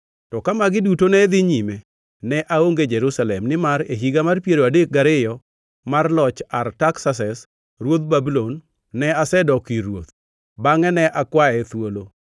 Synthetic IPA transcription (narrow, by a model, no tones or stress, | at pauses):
tɔkamaɡɪdutonɛd̪ɪɲime | nɛʔaoŋɡed͡ʒɛɾusalɛmnɪmaɾeɦiɡamarpjeɾoadek̚ɡaɾɪjɔ | marlɔt͡ʃartaksasɛs | ɾwot̪̚babilonː | ɛasɛdɔkiɾwo̰t̪̚ | baŋɛnɛʔakwaɛt̪wolo